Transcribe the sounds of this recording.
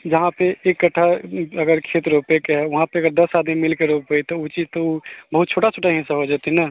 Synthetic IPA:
d͡ʒəɦãpeekːəʈʰːaəɡəɾkʰeːt̪ɾopekeɦɛʋɐɦãpeəɡəɾd̪əsaːd̪mimɪlkeɾopeit̪ɔut͡ʃit̪oubəɦut̪̚t͡ʃʰoːʈat͡ʃʰoʈaɦĩsaɦod͡ʒaːt̪ina

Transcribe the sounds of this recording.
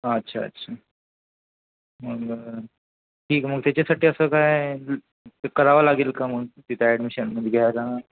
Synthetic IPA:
ətːɕʰaɐ̰tːɕʰa | məɡ | ʈʰiːkməɡ̚t̪jat͡ɕesaʈʰiəsəkaɦe | kəɾaʋəlaɡelkaməɡt̪it̪ɛɖmiʃənməd̪ʱɡʱjaɾa

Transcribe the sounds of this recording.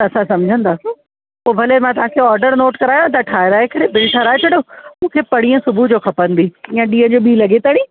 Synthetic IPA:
ɐsãsɐmd͡ʑʱə̃nd̪aːso | poːbʱɐlemãt̪ɐʋ̤ãːkʰeːɔːɾɖəɾnoːʈkɐɾaːjõt̪ɐʈʰaːɪɾaːekɐɾebɪlʈʰaɾaːet͡ɕɐɽomũːkʰepɐɽ̃iːə̃sʊbʱud͡ʑoːkʰɐpə̃nd̪iːĩjə̃ɗiːə̃d͡ʑoːɓiːlɐɡet̪aːɽ̃iː

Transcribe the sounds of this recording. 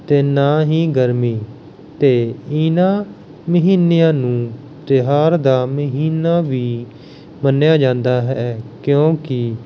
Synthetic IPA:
t̪eːnaːɦiːɡəɾmiː | t̪eːɪnãː | məɦiːnijãːnũː | t̪ɪɦaːɾd̪aːməɦiːnaːʋiː | mənjaːd͡ʒãːnd̪aːɦɛːkjõːkɪ

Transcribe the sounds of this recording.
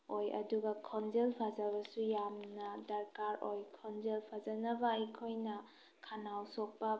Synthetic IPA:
ojɐ̰duɡakʰɔnzelpʰazabɐsujamnadɐɾkaɾojkʰɔnzelpʰazanabaikʰojnɐ | kʰanawsɔk̚pa

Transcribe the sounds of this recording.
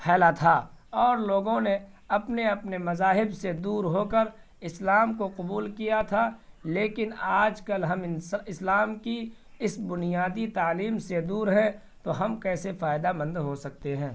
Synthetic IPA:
pʰɛːlat̪ʰaːɔːɾloːɡõne | ɐpneɐpnemɐzaːɦɪbsed̪uːɾɦoːkəɾ | ɪslaːmkoqʊbuːlkijat̪ʰaleːkɪnaːd͡ʒkɐlɦɐmɪslaːmki | ɪsbʊnijaːd̪it̪aːliːmsed̪uːɾɦɛ̃ | t̪oɦɐmkɛːsefaːɪd̪amɐ̃nd̪ɦosɐk̚t̪eɦɛ̃ː

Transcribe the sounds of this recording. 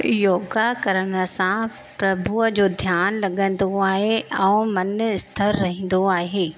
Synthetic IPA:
joːɡakɐɾəɽ̃ə̆sã | pɾɐbʱuəd͡ʑoːd̪ʱjaːnlɐɠə̃n̆d̪oaːɦeɛ̃ũmɐnɪst̪ʰəɾːɐɦĩːn̆d̪oaːɦeː

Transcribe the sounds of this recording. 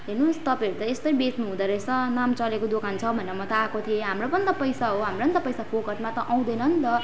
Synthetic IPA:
ɦernust̪ʌpãʌɾut̪ʌest̪ʌjbet̪nuɦũd̪aɾʌsʌnamt͡sʌlekod̪okant͡sʰʌbʱʌneʌmʌt̪ʌakot̪ʰiẽɦamropʌnt̪ʌpʌjsaɦoɦamrʌnt̪ʌpʌjsapokʌʈmat̪ʌʔaw̃d̪ʌjnʌnt̪ʌ

